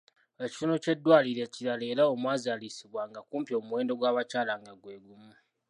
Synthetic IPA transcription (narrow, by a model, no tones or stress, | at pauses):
eci̥tunoce̞dːwaːliɾe̞ciɾale̞ːɾaomwaːzalisiβwaŋɡakuːmpjo̞ːmuwe̞ːndo̞ɡwaːβacaːlaŋɡaɡwe̞ːɡumu